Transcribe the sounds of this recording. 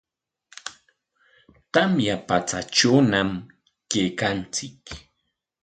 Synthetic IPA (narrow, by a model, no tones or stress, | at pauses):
t̪amjapat͡sat͡ʃoːnam | kejkant͡sɪk